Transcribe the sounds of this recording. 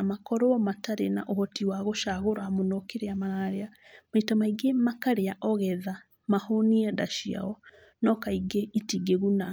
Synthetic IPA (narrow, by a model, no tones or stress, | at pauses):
amakɔɾɔɔmataɾena̰ʔohɔtiwaɣoʃaɣoɾwamonokeɾeamaaɾea | maitamaiɡemakaɾeaʔɔɣɛða | mahoniɛdaʃia̰ɔ | nɔkaiɡeitiɡeɣuna